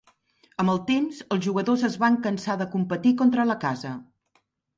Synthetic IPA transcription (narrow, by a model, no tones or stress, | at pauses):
əməlˠt̪emzəlˠzʒuɣəðozəzβaŋkənsaðəkumpət̪ikɔnt̪ɾələkazə